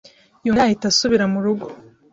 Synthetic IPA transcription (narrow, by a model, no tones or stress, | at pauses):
juahitasuβiɾamuɾuɡo̥